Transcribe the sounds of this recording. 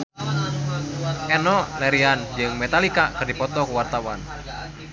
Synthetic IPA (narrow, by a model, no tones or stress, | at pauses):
ɛnɔʔlɛɾiand͡ʒɨŋmɛt̪alikakɨrdipɔt̪ɔkuwart̪awan